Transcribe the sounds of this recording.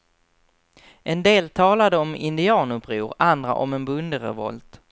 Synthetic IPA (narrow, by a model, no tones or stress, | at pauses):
ʔɛnd̪eːlt̪ʰɑːlad̪əɔmɪnd̪ɪɑːnɵpɾuːɾand̪ɾa̰ʔɔmɛnbɵnd̪əɾɛ̰vɔ̰lt̪